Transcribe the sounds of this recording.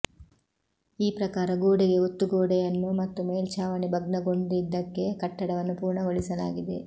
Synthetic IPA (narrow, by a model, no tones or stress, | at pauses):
iːpɾɐkaːɾɐɡoːɽiɡe̞ot̪ːuɡoːɽɛjɐnːumɐt̪ːumeːlt͡ʃaːʋɐɳibʱɐɡ̚nɐɡo̞ɳɖid̪ːɐkːe̞kɐʈːɐɽɐʋɐnːupuːɾɳɐɡoɭisɐla̰ːɡid̪e̞̰